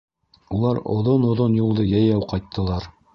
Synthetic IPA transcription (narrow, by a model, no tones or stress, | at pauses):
ulˠɑɾŏ̰ðonŏðonjulˠd̪ɤjæjæwqɑjt̪ːɤ̆lˠɑɾ